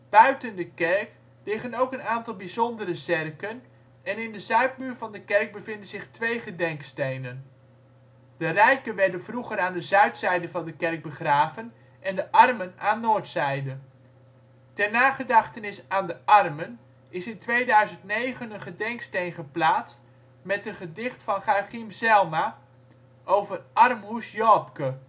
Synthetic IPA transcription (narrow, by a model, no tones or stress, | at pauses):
b̥œɥtəndəkɛrk | lɪχənowkənaːntɑlˠbizɔndərəzɪrkən | ɛnɪndəzœɥt̚myːɹvɑndəkɛrɡ̚bəvɪndənzɪχtʋejχədɛŋkstejnən | d̥ərɛjkənʋɛɹdənvruχəɾaːndəzœɥtsɛjdəvɑndəkɛrk̚bəχraːvən | ʔɛndəʔɑrmənaːnːoːɹtsɛjdə | tɛrnaːχədɑχtənɪsaːndəʔɑrmən | ɪsɪntʋejdœɥzəntnejχənənχədɛŋkstejnχəplaːtt͡st | mɛtənχədɪχtfɑnχaχimsɛlˠma | ʔowvərʔɑrmɦusjɔːpkə